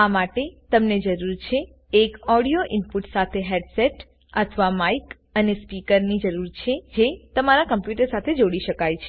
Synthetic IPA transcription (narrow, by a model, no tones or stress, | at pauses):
amaʈet̪əmned͡ʒəɾuɾt͡ʃʰeː | kɔɽijoʔɪnpuʈsat̪ʰeɦɛɖseʈ | ət̪ʰʋamaik | ənespikəɾnid͡ʒəɾuɾt͡ʃʰed͡ʒet̪əmaɾakəmpjuʈəɾsat̪ʰed͡ʒoɽiʃəkajt͡ʃʰe